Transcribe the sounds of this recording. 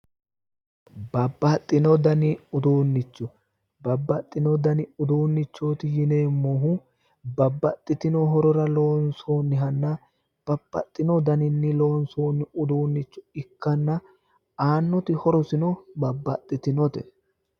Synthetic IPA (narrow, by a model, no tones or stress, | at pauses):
bɐbːɐt̪ʼːɪnɔd̪ɐnɪʊd̪uːnːɪt͡ʃːʊ | bɐbːɐt̪ʼːɪnɔd̪ɐnɪʊd̪uːnːɪt͡ʃːoːt̪ɪjɪneːmːoɦʊ | bɐbːɐt̪ʼːɪt̪ɪnɔɦɔɾɔɾɐlo̞ːnsoːnːɪɦɐnːɐ | b̥ɐbːɐt̪ʼːɪnɔd̪ɐnɪnːɪlo̞ːnsoːnːɪʊd̪uːnːɪt͡ʃːʊ̥ɪkːɐnːɐ | aːnːɔt̪ɪhɔɾɔsɪnɔbɐbːɐt̪ʼːɪt̪ɪnɔt̪ɛ